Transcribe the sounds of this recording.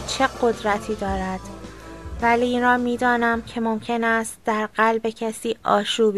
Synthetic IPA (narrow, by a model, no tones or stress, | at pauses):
t͡ʃʰe̞ɢo̞d̪ɾæt̪ʰiːd̪ɒːɾæd̪̥ | væliːnɾɒːmiːd̪ɒːnæmcʰe̞mo̞mcʰe̞næst̪̚d̪̥æɾɢælbe̞cʰæsiːʔɒ̰ːʃuːb